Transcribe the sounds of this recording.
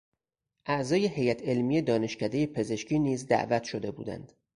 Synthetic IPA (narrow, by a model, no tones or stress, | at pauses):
ʔæʔzɒːjehe̞jæt̪ʰe̞lmijed̪ɒːne̞ʃcʰæd̪e̞je̞pʰe̞ze̞ʃciːniːzd̪æ̰ʔvæt̪ʰʃo̞d̪e̞bṵːd̪æ̰nd̪̥